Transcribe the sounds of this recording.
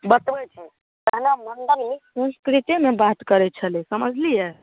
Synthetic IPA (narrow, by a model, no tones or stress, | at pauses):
bət̪ʋəjt͡ʃʰi | t̪əɦnamənd̪ənmisə̃nskɾit̪imebat̪kəɾɛt͡ʃʰəlesəməd͡ʒʱlije